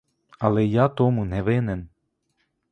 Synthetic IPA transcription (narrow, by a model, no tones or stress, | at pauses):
alejat̪oːmunɛveːnɛn